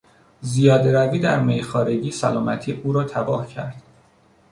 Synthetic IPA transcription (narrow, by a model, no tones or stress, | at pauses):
zijɒːd̪eɾæviːd̪æ̰ɾmejxɒːɾeɟiːsælɒːmæt̪ʰiːʔuːɾɒːt̪ʰæbɒːhcʰæɾd̪̥